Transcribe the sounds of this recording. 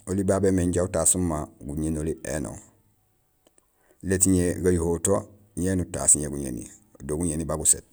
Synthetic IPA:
olibabemeɲɟautaːsumːaɡuɲenoliʔḛnõ̰ŋ | letiɲeɡajuhoːto | ɲenuta̰siɲeɡuɲḛnḭdoɡuɲenibaɡusḛt

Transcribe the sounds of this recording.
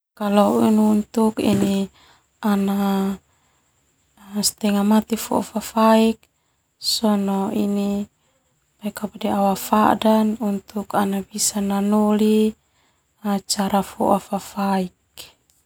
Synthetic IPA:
kalɔinunt̪ukḭni | ana | st̪ɛŋamat̪ifɔ̰ʔa̰fafaik̚ | sɔnɔini | paikapɔdiawafadanunt̪ukanabisananɔli | at͡ʃaɾafɔ̰ʔafafaik̚

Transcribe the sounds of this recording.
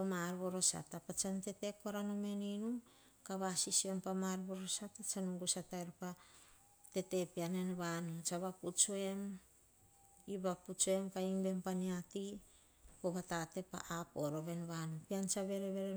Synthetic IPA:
omaɾβo̞ɾo̞sa̰tːapat͡ʃante̞te̞koɾanome̞ninu | kaβasisio̞npamaɾβo̞ɾo̞satat͡ʃanuŋɡusataeɾpa | te̞te̞piane̞nβanut͡ʃaβaput͡ʃue̞m | iβaput͡ʃoe̞mkaimbe̞mpaniati | koβatate̞pa̰ʔapoɾo̞βe̞nβanupiant͡ʃaβe̞ɾeβe̞ɾe

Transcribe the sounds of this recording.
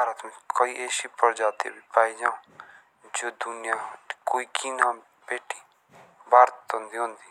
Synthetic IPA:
bʱaːɾət̪mẽkoːiːʔeːsipəɾd͡ʒaːt̪ḛbipaːid͡ʒãː | d͡ʒoːd̪ʊnɪjaːkoːiːkʰiːnãː | beːʈiː | bʱaːɾt̪ɦõnd̪iːɦõːnd̪iː

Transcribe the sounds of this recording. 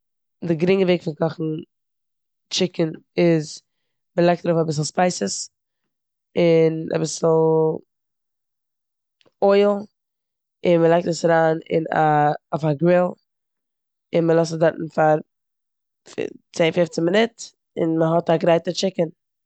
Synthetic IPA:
dɪɡɾɪŋəveːkfɪnkɔχn̩ | t͡ʃɪkənɪz | məlˠaɪk̚daɾoːfabɪs̬l̩ˠspaɪsəs | ɪna̰bɪsl̩ˠ | ɔɪl̩ˠ | ɪnməlˠaɪk̚təsaɾaːnɪ̰na̰ʊfaɡɾɪlˠ | ɪnməlˠɔs̬dɛɾʔn̩faɾ | fɪ̰t͡seːnfɪft͡səmɪnɪt | ɪ̰nməɦɔtaɡɾaɪtət͡ʃɪkən

